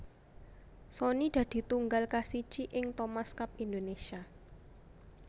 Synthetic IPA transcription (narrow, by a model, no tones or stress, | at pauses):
sɔnid̪̥ä̤d̪̥i̤t̪uŋɡalkasi̥t͡ʃiʔɪŋt̪omaskap̚ind̪onesia